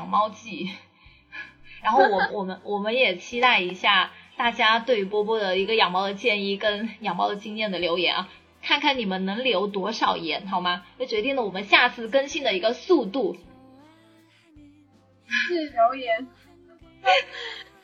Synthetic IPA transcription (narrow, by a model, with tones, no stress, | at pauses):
jŋmɑ˥ʊt͡ɕi˥˩ | ɻa˧˥nxo˥˩ʊwɔ˨˩mə˦nwɔ˨˩mə˦nwɔ˨˩mə˦njɛ˨˩t͡ɕʰi˥t̪a˥˩ɪi˧˥ɕja˥˩t̪a˥˩t͡ɕja˥t̪̬we˥˩ɪy˧˩pwɔ˥pwɔ˥˩d̪ə˩i˧˥ɡə˧jɑ˨˩ŋmɑ˥ʊd̪ə˨˩t͡ɕjɛ˥˧ni˥˩kə˥njɑ˨˩ŋmɑ˥ʊə˨˩t͡ɕi˥ŋjɛ˥˩nd̪ə˩ljo˧˥ʊjɛ̰˧˥nɐ˧ | kʰa˥˧nkʰa˥˩ni˨˩mə˦nnɤ˧˥ŋljo˧˥ʊt̪wɔ˧˥ʂɑ˨˩ʊjɛ˧˥nt̪ʰɑ˥ʊma˩t͡ɕo˥˩ʊt͡ɕɥɛ˧˥t̪i˥˩ŋlə˩wɔ˨˩mə˦nɕja˥˧t͡sʰɹ̩˥˩kə˥nɕi˥ŋd̪ə˨i˧˥ɡə˧su˥˧t̪u˥˩˥ | ljo˧˥ʊjɛ˧˥n˥